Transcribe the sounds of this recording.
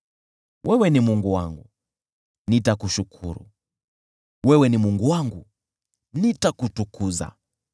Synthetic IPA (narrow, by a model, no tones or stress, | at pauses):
wʔɛwɛnimuŋɡuwa̰ŋɡu | nitakuʃukʰṵɾṵ | wɛwɛnimuŋɡuwaŋɡu | nitakutukuza̰